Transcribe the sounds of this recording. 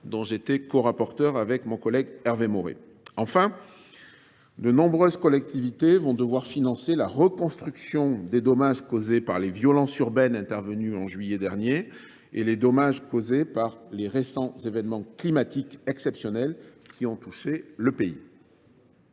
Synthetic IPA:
d̪ɔ̃ʒet̪ekɔʁapɔʁt̪œʁavɛkmɔ̃kɔlɛɡɛʁvemɔʁḛ | ɑ̃fɛ̃ | d̪ənɔ̃bʁøzkɔlɛkt̪ivit̪evɔ̃d̪əvwaʁfinɑ̃selaʁəkɔ̃st̪χyksjɔ̃d̪ed̪ɔmaʒkozepaʁlevjɔlɑ̃syʁbɛnɛ̃t̪ɛʁvənyɑ̃ʒɥijɛd̪ɛʁnje | eled̪ɔmaʒkozepaʁleʁesɑ̃zevɛnmɑ̃klimat̪ikɛksɛpsjɔnɛlkʲʰiɔ̃t̪uʃeləpei

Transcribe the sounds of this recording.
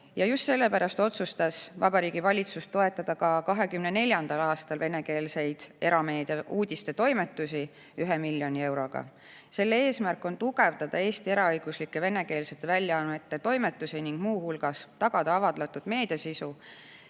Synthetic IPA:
jɑjust̪se̞lːe̞pæɾɑst̪o̞t̪sust̪ɑsvɑbɑɾiːɡ̥ivɑlʲit̪sust̪ːo̞e̞t̪ːˑɑd̪̥ɑkɑkɑɦe̞kymnene̞lʲjɑnd̪̥ɑlɑːst̪ɑlve̞ne̞ke̞ːlse̞jd̪̥e̞ɾɑme̞ːd̪eʔuːd̪̥ʲist̪e̞t̪o̞jme̞t̪ːˑusi | yɦɛmilʲjo̞nʲie̞wɾo̞ɡ̥ɑ̰ | se̞lːee̞ːsmærkːˑo̞nt̪uɡ̥e̞vd̪ɑd̪̥ɑe̞ːst̪ie̞ɾɑɤjɡ̥uslikːˑe̞ve̞ne̞ke̞ːlset̪ːevælʲjɑɑnet̪ːˑet̪o̞jme̞t̪ːˑusiniŋɡ̥muːhulɡ̥ɑst̪ɑɡ̥ɑd̪̥ɑɑvɑd̪lɑt̪ːˑud̥̪me̞ːd̪̥ɑsisu

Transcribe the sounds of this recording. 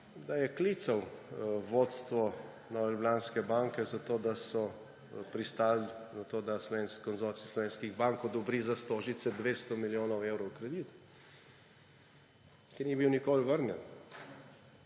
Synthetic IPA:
d̪ajɛkliːt̪sawʋot̪st̪ʋɔ | nɔːʋɛlʲublaːnskɛbaŋkɛzat̪oːd̪asɔ | pɾist̪aːlzat̪oːd̪aslɔʋeːnskɔnzɔːɾtsislɔʋeːnskiɣbaŋkod̪ɔbɾiːzast̪oːʒit̪sɛd̪ʋeːst̪ɔmiljoːnɔwewɾɔwkɾɛd̪iːt̪ | kiɾnibiwnikoːlʋəɾnjɛn

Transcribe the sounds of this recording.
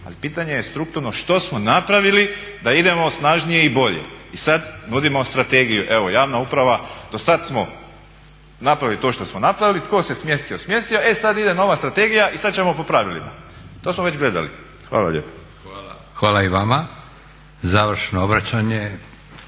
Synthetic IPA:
a̰lipiːt̪aɲe̞jest̪ɾuk̚t̪uɾno̞ʃt̪o̞smo̞napɾaʋilid̪aid̪e̞mo̞snaʒnije̞ibo̞ʎḛisad̪nud̪imost̪ɾat̪eɡijuʔe̞ʋo̞jaːʋnaupɾaʋad̪̥o̞sad̪smo̞ | napɾaʋilit̪o̞ʃt̪o̞smonapɾaʋilit̪ko̞ːsesmje̞st̪iosmje̞st̪ijo̞esad̪id̪eno̞ʋast̪ɾat̪e̞ɡijaʔisad̪̚t͡ɕemo̞po̞pɾaʋilḭma̰t̪oːsmoʋe̞d͡ʑɡle̞d̪a̰lḭ | xʋa̰ːla̰ʎḛpḁ | xʋaːlaiʋama | zaʋɾ̩ʃnoobɾat͡ɕaɲe

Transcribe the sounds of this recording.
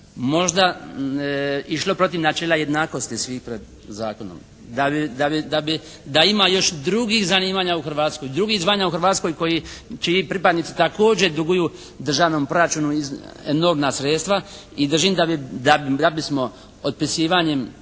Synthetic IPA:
mo̞ʒd̪a | iʃlˠo̞pɾo̞t̪̬iʋnat͡ʃeːlˠaje̞d̪naːko̞st̪isʋiːxpɾed̪ | zaːko̞no̰m | d̪abid̪abid̪abi | d̪aimajo̞ʃd̪ɾuɡixzaniːmaːɲauxr̩ʋaːt̪skojd̪ɾuɡiɣzʋaːɲauxr̩ɾʋaːt̪sko̞jko̞jit͡ʃiipɾipad̪nit̪si̥t̪ako̞ːd͡ʑed̪uɡuju | d̪r̩ʒaːʋno̞mpɾo̞ɾat͡ʃuːnuieno̞ɾmnasɾet̪st̪ʋa | id̪r̩ʒimd̪abid̪ad̪abismo̞ | pod̪̚pisiːʋaɲe̞m

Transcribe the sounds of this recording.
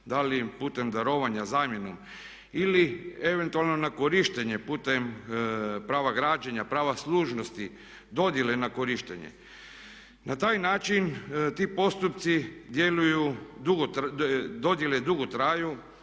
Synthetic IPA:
d̪alipuːt̪e̞md̪aɾo̞ʋaɲazaːmje̞nom | ilie̞ʋe̞nt̪ualˠnonako̞ɾiʃt̪eɲepuːt̪em | pɾaːʋaɡɾaːd͡ʒaɲapɾaːʋasluːʒnost̪i | d̪o̞d̪jelenakoɾiʃt̪ḛɲḛ | nat̪aːjnaːt͡ʃint̪iːpo̞st̪up̚t̪sid̪je̞lujud̪uɡod̪o̞d̪jeled̪uɡot̪ɾaːju

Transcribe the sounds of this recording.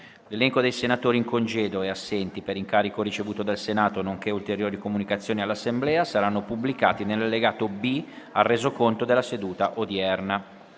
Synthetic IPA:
lelɛŋkod̪ejsenat̪oːɾiŋkond͡ʒeːd̪oɛasːɛnt̪ipeɾiŋkaːɾikoɾit͡ʃevuːt̪od̪elsenaːt̪onoŋk̟eult̪eɾjoːɾikomunikat̪sːjoːnialːasːemblɛːasaɾanːopublikaːt̪inelːalːeɡaːt̪obiarːeːzokont̪od̪elːased̪uːt̪aʔod̪jɛrna

